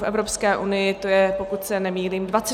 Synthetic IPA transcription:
fʔɛ̰vɾo̞pskɛːʔunɪjɪt̪ojɛpokut̪sɛnɛmiːliːmdvat͡sɛ

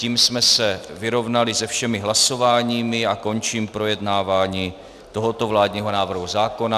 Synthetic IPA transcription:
ciːmsmɛsɛvɪɾo̞vnalɪzɛfʃɛmɪɦlaso̞vaːɲiːmɪako̞nt͡ʃiːmpɾo̞jɛdnaːvaːɲiː | t̪o̞ɦot̪o̞vlaːdɲiːɦo̞naːvr̩ɦuzaːko̞na

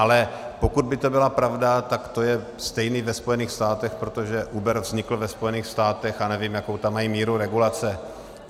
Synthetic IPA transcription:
ʔalɛpo̞kud̪̚bɪt̪o̞bɪlapɾavdat̪akt̪o̞jɛ | st̪ɛjniːvɛspo̞jɛniːxst̪aːt̪ɛxpɾo̞t̪o̞ʒɛʔubɛɾvzɲɪkl̩vɛspo̞jɛniːxst̪aːt̪ɛxanɛviːmjako̞wt̪amːajimiːɾuɾɛɡulat͡sɛ

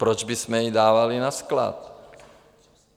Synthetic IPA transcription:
pɾod͡ʒbismɛjidaːvalinaskla̰t̪̚

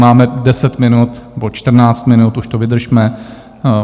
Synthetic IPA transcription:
maːmɛdɛsɛt̪mɪnut̪nɛbot͡ʃt̪r̩naːt͡st̪mɪnut̪uʃt̪ovɪd̪r̩ʒmɛ

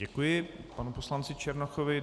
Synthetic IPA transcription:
ɛkujɪpanuposlant͡sɪt͡ʃɛɾnaxovɪ

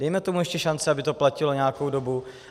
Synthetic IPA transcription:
dɛjmɛt̪o̞muɛʃcɛʃant͡sɪabɪt̪o̞placɪlo̞ɲɛakowdo̞bu

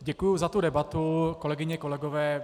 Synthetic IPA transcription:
ɟɛkujuzat̪udɛbat̪uko̞lɛɡɪɲɛko̞lɛɡovɛː

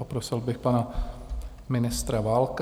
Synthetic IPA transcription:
opɾosɪlbɪxpana | mɪnɪst̪ɾavaːlk

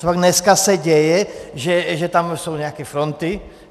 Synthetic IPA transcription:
aɡɲɛskasaɟɛjɛʒɛʒɛt̪amsuːɲɛakɛfɾɔnt̪i

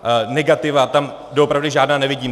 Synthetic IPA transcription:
nɛɡat̪ɪvat̪am | doopɾavdɪʒaːdnaːnɛvɪɟiːm

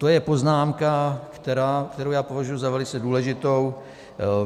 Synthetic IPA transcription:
t̪o̞jɛpo̞znaːmkakt̪ɛɾaːkt̪ɛɾowjaːpo̞vaʒujuzavɛlɪt͡sɛduːlɛʒɪt̪o̞w

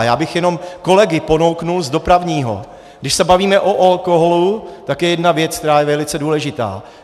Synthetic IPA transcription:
jaːbɪxjɛno̞mko̞lɛɡɪpo̞no̞wknulzdo̞pɾavɲiːɦo̞̰ | ɡdɪʃsɛbaviːmɛʔoʔalko̞ɦolut̪akjɛjɛdnavjɛt͡skt̪ɛɾaːjɛvɛlɪt͡sɛduːlɛʒɪt̪a̰ː

